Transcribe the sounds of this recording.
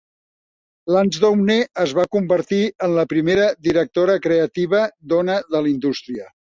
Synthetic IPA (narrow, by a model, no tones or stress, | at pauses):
lanzðowneəzβakumbəɾt̪iənləpɾimeɾəðiɾək̚t̪oɾəkɾeət̪iβ̞əd̪onəðəlind̪ust̪ɾiə